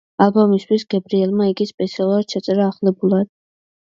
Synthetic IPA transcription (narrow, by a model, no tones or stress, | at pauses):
alˠbɔmist̪ʰwisɡɛbɾiɛlˠmaiɡispʼɛt̪sʰialˠuɾad̪ʃɛt̪sʼɛɾaːχlɛbulˠad̪̥